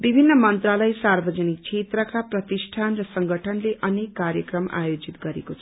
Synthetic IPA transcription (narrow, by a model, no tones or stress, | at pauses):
bibʱinːʌmʌnt̪ralʌjsarbʱʌd͡zʌnik̚t͡sʰet̪rʌkaprʌt̪isʈʰanrʌsʌŋɡʱʌʈʰʌnleʔʌnekːaɾjʌkrʌma̰jod͡zit̪ɡʌɾekot͡sʰʌʌ